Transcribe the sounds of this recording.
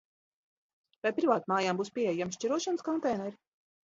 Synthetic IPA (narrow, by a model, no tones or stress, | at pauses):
vɛjpɾivaːt̪̚maːjaːmbuːspʲiɛjamʃt͡ʃiɾuɔʃanəskɔnt̪ɛjnɛɾi